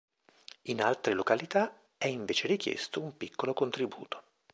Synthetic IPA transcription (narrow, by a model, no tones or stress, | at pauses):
inalt̪ɾelokalit̪a | ɛiɱveːt͡ʃeɾikjḛst̪oumpikːolokont̪ɾibṵːt̪o̥